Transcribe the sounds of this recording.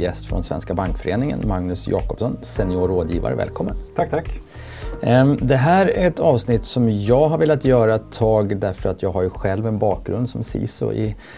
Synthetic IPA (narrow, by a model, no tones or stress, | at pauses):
jɛst̪fɾɔnsvɛ̰nskabaŋkfœɾeːnɪŋə̰nmaŋnɵsjɑ̰ːkɔpsɔnsɛnɪoːɾoːd̪jiːva̰ɾə̰vɛ̰lkʰɔmːənt̪ʰat̪ʰakː | d̪ɛɦæːɾæɾɛt̪ɑːvsnɪt̪ːsɔmjɑːɡɦaɾveːlat̪jœːɾat̪ʰːɑːɡd̪æɾfœɾat̪jɑːɡɦaɾjɵɧɛlvɛnbɑːk̚ɡɾɵnd̪sɔmsḭːsɔ̰ʔɪ̰